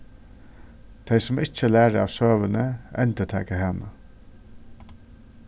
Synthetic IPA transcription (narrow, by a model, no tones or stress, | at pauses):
t̪ʰɛjsʊmɪt͡ʃəlæːɹəa̰ːʋsøːʋənəɛnt̪ət̪ʰɛ̰ːkəɦanə̰